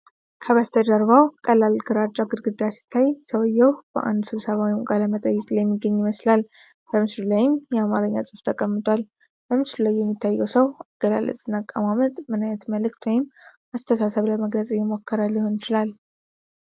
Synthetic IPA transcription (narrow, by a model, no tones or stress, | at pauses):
kʰəβast̪ʰəd̪aɾβawkʼəlːalɡɨɾat͡ʃʼːaɡɨɾɡɨd̪asi̥t̪ʰːajsəwjːɛwb̥ə̰ʔa̰nd̪sɨβsəβawimɡʼaləmət̪ʼəjːɛkʼlajɛmːiɡːəɲːiməslal | b̥əmɨslulajɪmjɛamaɾəɲːasʼɨft̪ʰəkʼəmːɨt̪ʼwal | b̥əmɨslulajːɛmːit̪ʰːajːɛwsəwaɡ̥əla̰lʔə̰t͡sʼɨnːakʼːəmamət̪ʼmɨnajət̪məlɨkt̪wɔjɪm | ast̪ʰəsasəβləməɡlət͡sʼɪjːɛmo̞kʰːəɾalːiho̞nɪt͡ʃɪlal